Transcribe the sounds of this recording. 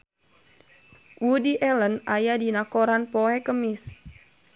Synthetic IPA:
wudiʔɛlənajadinakoɾanpɔɛkəmis

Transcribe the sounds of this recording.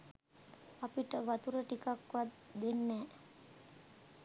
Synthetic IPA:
apiʈəʋat̪uɾəʈikakʋat̪d̪enːɛː

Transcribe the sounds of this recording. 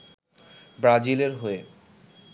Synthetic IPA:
bɾad͡ʑileɾɦoe

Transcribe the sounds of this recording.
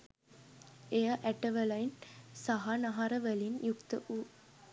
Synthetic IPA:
ejɐʔæʈəʋəlɐjinsaɦanɐɦɐɾəʋəlinjukt̪əʔu

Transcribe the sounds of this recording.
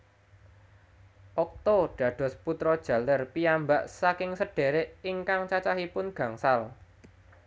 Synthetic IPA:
ʔɔk̚t̪ɔɖ̥ä̤ɖ̥ɔ̤sput̪ɾɔd̥ʒ̥ä̤lərpiambaʔsakɪŋsəɖ̥e̤ɾeʔiŋkaŋt͡ʃat͡ʃaɦipʊnɡ̥ä̤ŋsal

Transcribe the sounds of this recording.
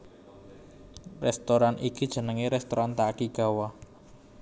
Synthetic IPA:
rɛst̪oɾanʔikid̥ʒ̥ə̤nəŋeɾɛst̪oɾant̪akiɡ̥a̤wa

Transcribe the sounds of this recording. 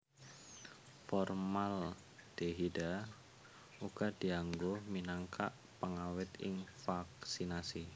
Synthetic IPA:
fɔrmal | d̥eɦida | uɡ̥ad̪̥i̤aŋɡominaŋkʰa̰ʔ | pəŋawɪt̪ɪ̰ŋfaksinasi

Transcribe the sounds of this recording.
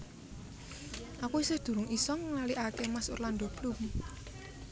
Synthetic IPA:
ʔakuisɪhd̪̥ṳɾʊŋisɔŋlaliʔakemaso̰rland̪ɔb̥lum

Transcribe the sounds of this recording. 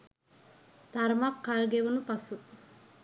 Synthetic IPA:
t̪aɾmakːaɾəɡeʋunupasu

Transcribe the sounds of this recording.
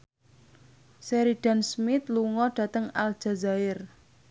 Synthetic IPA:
sɛɾiɖ̥a̤nsmɪt̪luŋɔɖ̥ä̤t̪əŋal̥ʒ̥a̤zaɪr

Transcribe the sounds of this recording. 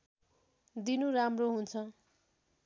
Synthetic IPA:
d̪inuɾamroɦunt͡sʰʌ

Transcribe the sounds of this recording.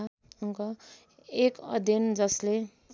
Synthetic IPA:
uŋkʌ | ekʌ̰d̪ʱʌnd͡zʌsle

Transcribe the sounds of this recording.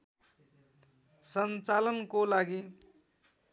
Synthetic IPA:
sʌnt͡salʌnkolaɡi

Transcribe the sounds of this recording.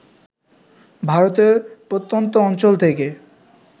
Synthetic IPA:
bʱaɾot̪eɾpot̪ːont̪oɔnt͡ɕolt̪ʰeke

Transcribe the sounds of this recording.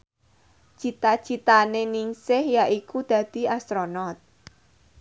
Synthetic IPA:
t͡ʃit̪ḁt͡ʃit̪anenɪŋsɪhjaʔikud̪̥ä̤d̪̥i̤ast̪ɾonɔt̪̚

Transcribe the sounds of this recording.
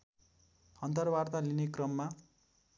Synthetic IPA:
hʌnt̪ʌrbart̪alinekrʌmːa

